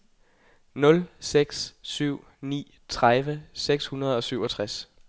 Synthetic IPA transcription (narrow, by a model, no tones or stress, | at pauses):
nɔ̽lseɡ̥ssyʊ̰ | nḭː | t͡sʰʁaðʋəseɡ̥shunɐð̞ˠɒ̽syʊ̰ɒ̽t͡sʰʁas